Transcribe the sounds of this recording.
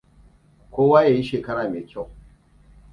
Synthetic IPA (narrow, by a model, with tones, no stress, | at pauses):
kʷoː˦waː˦jaː˨ji˦ʃeː˨kɐ˦ɽaː˨meː˨kʲa˦˨w